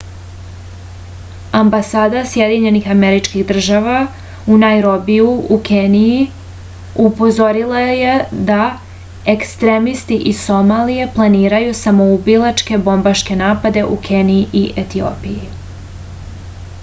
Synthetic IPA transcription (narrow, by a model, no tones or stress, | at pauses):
ambasaːd̪asje̞d̪iɲe̞nixameɾit͡ʃkiɣd̪r̩ʒaʋa | unajɾobijuukeniji | upo̞zo̞ɾilˠaje̞d̪a | ekst̪ɾemist̪iʔiso̞malije̞plˠaniːɾajusamo̞ubilˠat͡ʃke̞bo̞mbaʃke̞naːpad̪e̞ʔukʰe̞niiʔiʔet̪io̰ːpiji